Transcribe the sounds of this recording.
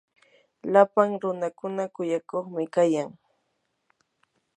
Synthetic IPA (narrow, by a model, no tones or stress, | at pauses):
lapaŋɾʊnakʊnakʊjakoχmɪkajaŋ